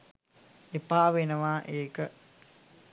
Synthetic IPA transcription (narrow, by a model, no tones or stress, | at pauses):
epaːʋenəʋaːʔeːkə